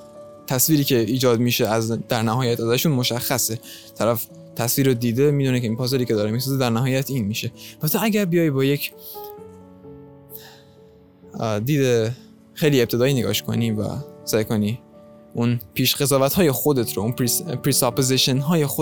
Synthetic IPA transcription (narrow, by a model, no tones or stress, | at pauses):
t̪ʰæsviːɾiːcʰe̞iːd͡ʒɒːd̪miːʃeæzd̪æɾnæɦɒːjæt̪ʰæzæʃunmo̞ʃæxːæse | t̪ʰæɾæf | t̪ʰæsviːɾod̪iːd̪e̞miːd̪uːnekʰeiːnpʰɒːzeɾiːcʰe̞d̪ɒːɾemisɒːzed̪æɾnæɦɒːjæt̪ʰiːnmiːʃe̞bæt̪ʰeæɡʲæɾbijɒːjbɒːje̞cʰ | d̪iːd̪e | xejlie̞p̚t̪ʰe̞d̪ɒːjineɡɒ̰ʃkʰo̞̰nivæ̰sæːjkʰo̞ni | ʔunpʰiːʃɡe̞zɒːvæt̪hɒːje̞xod̪e̞t̪ʰɾounppʰɾiːsɒpoziʃenɦɒːje̞xo